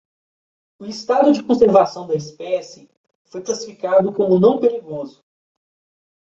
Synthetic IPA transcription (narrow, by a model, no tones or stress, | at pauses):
ʊɪst̪ad̪ʊd͡ʒɪkõseɾvasɐ̃w̃d̪ɐispɛsɪ | fojklasifikad̪ʊkõmʊnɐ̃w̃peɾiɡozʊ